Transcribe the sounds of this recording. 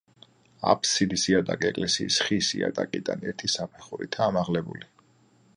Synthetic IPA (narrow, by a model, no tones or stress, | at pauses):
a̰pʰsid̪isiat̪ʼakʼiɛkʼlɛsiːsχisiat̪ʼakʼid̪ʼanɛɾt̪ʰisapʰɛχuɾḭt̪ʰaːmaʁlɛbuli